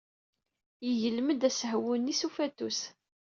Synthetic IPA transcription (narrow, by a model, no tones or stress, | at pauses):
jəʝəlməd̪æsəhwʊnisufæt̪us